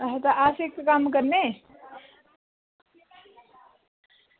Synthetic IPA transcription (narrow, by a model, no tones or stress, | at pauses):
ɐɦt̪aʔaːsek̚t̪kaːmkəɾne